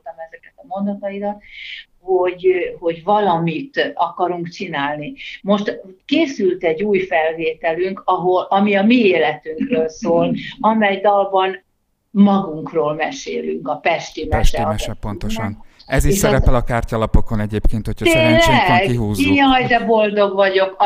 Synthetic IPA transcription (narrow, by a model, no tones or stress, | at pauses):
t̪ɒmɛzɛkɛt̪ɒmo̞nd̪ot̪ɒiɾɒt̪ | ho̞ɟho̞ɟvɒlɒmit̪ɒkɒɾuŋkt͡ʃinaːlnimo̞ʃt̪keːsylt̪ɛɟːuːjfɛlveːt̪ɛlyŋkɒɦo̞lɒmiɒmieːlɛt̪yŋkrøːlsoːlɒmɛjd̪ɒlbɒn | mɒɡuŋkroːlmɛʃḛːly̰ŋkɒpɛʃt̪imɛʃɛɒɛʃɛpont̪oʃnɛzieːʃsɛɾɛɛlɒkaːrcɒlɒpokonɛɟeːpkeːnt̪hocʰt̪eːɲlɛɡkiɦuːzeːɲɒjd̪ɛbo̞ld̪o̞ɡvɒɟo̞k